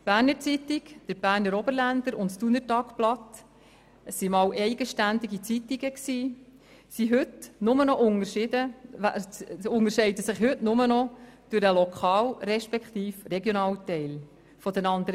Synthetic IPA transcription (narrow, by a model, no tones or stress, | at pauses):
b̥æːɾnəɾt͡sit̪ɪɡd̥əɾb̥æːɾnəɾɔbəɾlænd̪əɾʊntstunəɾtɑːkplɑt̪ | əsːimɑːwʔɛɪɡ̥əʃtænd̪iɡit͡sit̪iɡəksiː | siɦɵt̪nʊmənɔʔʊŋəɾʃɪdə̰ | ʊŋəɾʃɛɪdəsɪχhɵʉtnʊmənɔd̥ʉɾəlɔkʰɑːlɾɛʃpɛkχt̪iːfreɡjoɔnɑːltɛɪl | fɔd̥̪ɛnɑnd̪əɾə